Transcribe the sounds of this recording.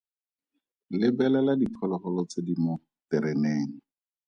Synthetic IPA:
lɪbɛlɛladipʰɔlɔχɔlɔt͡sedimo | tɛɾɛneːŋ̩

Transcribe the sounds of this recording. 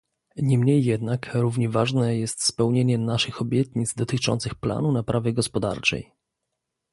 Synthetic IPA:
ɲɛmɲejːɛd̪nakɾuvɲɛvaʐnɛjɛst̪spɛwɲeɲɛnaʂɘxɔbʲjɛt̪ɲid̪zd̪ɔt̪ɘt͡ʂɔ̰nt̪sɘxpla̰nunapɾʔavʲjɛɡɔspɔd̪a̰ɾt͡ʂɛ̰j

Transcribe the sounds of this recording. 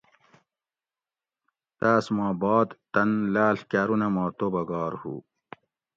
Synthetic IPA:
t̪aːsmɑ̃ːbɑːd̪t̪ɐnlaːlkaːɾunɐmɑ̃ːt̪obɐɡɑːɾhṵː

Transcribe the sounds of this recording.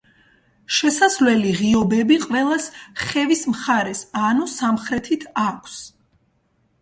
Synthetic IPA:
ʃɛsaslɛliʁiɔbɛbiqʼvɛlˠasχɛvismχaɾɛsanɔsamχɾɛt̪ʰit̪ʰakʰs

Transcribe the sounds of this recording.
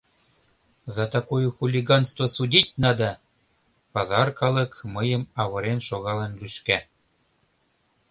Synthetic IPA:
zɑt̪ɑkujxulʲiɡɑnst̪vŏsud̪ʲit̚ʲnɑd̪ɑ | pɑzɑrkɑlˠɤ̆kmɤjɤ̆mɑβɤ̆ɾenʃoɣɑlenlyʃkæ

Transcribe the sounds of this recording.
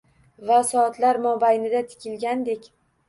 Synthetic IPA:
vasɒːt̪laɾmɒbajnɪd̪at̪ʰɪ̥kʲʰɪlɡʲand̪e̞kʲ

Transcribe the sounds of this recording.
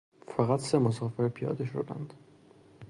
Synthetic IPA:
fæɣæt̪se̞mosɒːfeɾpʰijɒ̰ːd̪e̞ʃo̞̰d̪æ̰nd̪̥

